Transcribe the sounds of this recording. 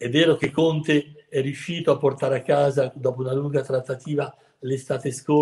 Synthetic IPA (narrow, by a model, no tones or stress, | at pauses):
ɛvːɛːɾok̟ekːont̪eɛrːiuʃːiːt̪oapːort̪aːɾakːaːzad̪ɔːpounaluŋɡat̪ɾat̪ːat̪iːva | lest̪aːt̪esko